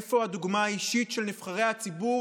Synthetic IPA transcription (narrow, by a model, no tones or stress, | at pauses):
fo̞haduɡmaaiʃitʃelnifχaʁe̞jhat͡sibu